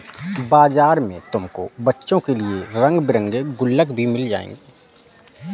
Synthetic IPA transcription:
baːzaːɾmḛ̃t̪ʊmko̰bɐtːʃõkelieɾɐ̃ŋɡbɪɾə̃ŋɡeɡʊlːəkbʱimɪld͡ʒa̰ːḛ̃ːŋɡeː

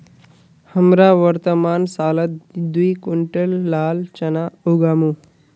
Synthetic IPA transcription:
həmɾaʋəɾt̪əmaːnsaːlət̪d̪ujkuɳʈelːaːlt͡ɕɐnauɡaːmu

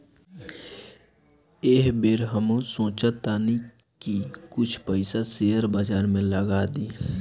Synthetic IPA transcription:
eːɦbeːɾɦəmõsõːt͡ʃat̪aːni | kikʊt͡ʃʰpəɪsaseːəɾbad͡ʒaːɾmẽləɡaːd̪iː

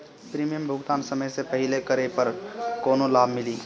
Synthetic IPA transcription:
pɾiːmijəmbʱʊɡt̪aːnsɐməjsepɐɦɪlekəɾepəɾkoːnolaːbʱmɪliː

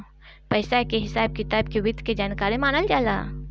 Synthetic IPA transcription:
pəɪsakeɦɪsaːb̚kɪt̪aːbkeʋɪd̪ʱked͡ʒaːnkaːɾẽmaːnəld͡ʒaːla̰ː

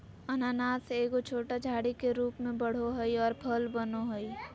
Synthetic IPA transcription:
ənaːnaːseːɡot͡ʃʰoːʈad͡ʒʱaːɽikeɾuːpmẽbəɽ̤oɦəiɔːɾpʰəlbənoɦoi

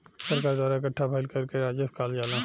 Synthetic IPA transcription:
səɾkaːɾd̪waːɾaɪkəʈʰːabʰʱaɪlkəɾkeɾaːd͡ʒəskaːld͡ʒaːlã

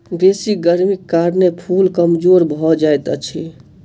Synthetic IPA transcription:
d̪esiɡəɾmikːaɾnepʰulkəmd͡ʒoɾbʱɔd͡ʒajt̪ət͡ʃʰi

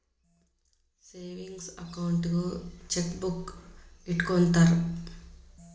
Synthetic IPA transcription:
seːʋiŋɡsɐkɐwuɳʈɡut͡ʃekbukiʈkont̪aɾu

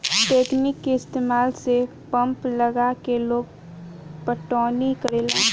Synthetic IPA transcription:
ʈeːknɪkːeɪst̪eːmaːlse | pə̃mpləɡakeloːɡ̚ | pəʈɔːnikəɾeːlaː

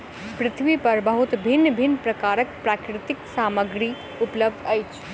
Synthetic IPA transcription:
pɾɪt̪ʰʋipɐɾbəɦut̪bʱinːəbʱinːpɾɐkaːɾək̚pɾakɾɪt̪ɪksaːməɡɾi | upləb̚d̪ɐjt͡ʃʰ

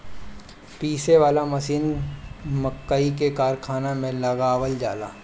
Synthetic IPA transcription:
piːseʋaːlamɐsiːn | məkːaik̬ekaːɾkʰaːnamẽlɐɡaːʋəld͡ʒa̰ːla̰ː

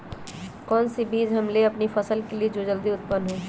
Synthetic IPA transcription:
kɔːnsibiːd͡ʒɦɐmleɐpnipʰɐsəlkelied͡ʒod͡ʒəld̪iʊt̪̚pənːɦõː

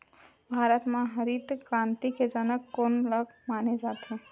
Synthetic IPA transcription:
bʱaːɾət̪mãɦəɾit̪kɾãnt̪iked͡ʒənəkːonləɡmaned͡ʒaːt̪e

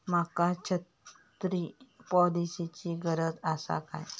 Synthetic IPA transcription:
makat͡ɕʰət̪ | ɾipɔlisit͡ɕiɡəɾət̪asa̰ka̰j

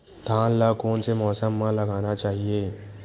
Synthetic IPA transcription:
t̪aːnlakoːnsemɔːsəmːãləɡanat͡ʃaːɦije

